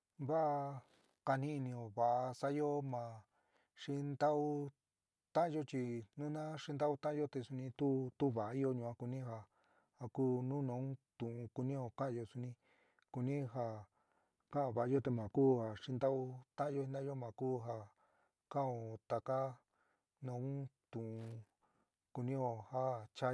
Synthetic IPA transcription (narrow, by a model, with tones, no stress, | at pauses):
βa˦˧ | ka˧nĩ˦i˧nĩ˧o˨βa˨ʔa˧sa˦jo˦mã˨ | ʂi˦nd̪a˦u˦ | t̪ã˦ʔã˧jo˦t͡ʃi˧nũ˦nã˦ʂi˧nd̪a˦u˦t̪ã˦ʔã˦jo˦t̪e˧su˧nĩ˧t̪u˦t̪u˦βa˨a˧i˦jo˧ɲũ˧ã˧˦ku˧nĩ˦ɦa˧˨ | ha˨kuː˦nũ˦nõ˨˦t̪ũ˨ʔũ˧ku˧nĩ˦o˧kã˦ʔã˧jo˧su˧nĩ˧ | ku˧nĩ˦ɦa˧ | kã˦a˧βa˨˧jo˦t̪e˧mã˨kuː˦ha˨ʂĩ˧nd̪a˦u˧t̪ã˦ʔã˧jo˦hi˧d̪ã˦jo˦mã˨kuː˦ɦa˧ | kã˦˨õ˧t̪a˨ka˦ | nõ˨˧ũ˦t̪ũ˨ũ˧ | ku˧nĩ˦o˧ha˦t͡ʃa˦